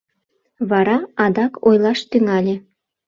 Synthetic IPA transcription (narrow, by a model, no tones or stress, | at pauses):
βɑɾɑɑd̪ɑkʰojlɑʃt̪yŋɑlʲĕ